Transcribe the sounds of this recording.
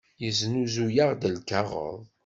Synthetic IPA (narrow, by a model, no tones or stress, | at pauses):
jəznuzujaʁd̪əlkaʁə̰ðˤ